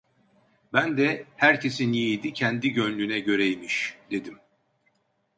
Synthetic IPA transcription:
bænd̪ɛhæɾcʰe̞siniijd̪icʰɛnd̪iɟønlʲynɛɟø̞ɾɛjimiʃd̪̥e̞d̪im

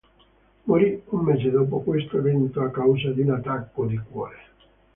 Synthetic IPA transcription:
moɾiumːeːzed̪ɔːp̬okwest̪oevent̪oakːawzad̪unat̪ːakːod̪ikwɔ̰ːɾe

